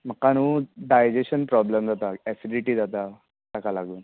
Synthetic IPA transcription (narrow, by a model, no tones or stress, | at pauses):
m̤əkːanuːɖajd͡ʑeɕənpɾɔbləmd͡zat̪aɛsiɖiʈiːd͡zat̪a | t̪akalaɡuːn